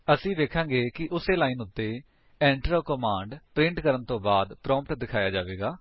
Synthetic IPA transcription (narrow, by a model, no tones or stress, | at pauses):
əsĩːd̪eːkʰãːŋɡeːkɪʔʊseːlaːiːnʊt̪ːeː | ɛ̃ːɳʈəɾəːkɔmãːɳɖpɾɪ̃ɳʈkəɾənt̪õːbaːd̪pɾɔ̃ːmpʈd̪ɪkʰaːjaːd͡ʒaːʋeːɡaː